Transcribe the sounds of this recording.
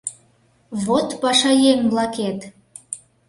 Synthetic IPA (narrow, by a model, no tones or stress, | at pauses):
βot̪pɑʃɑjemblɑket̪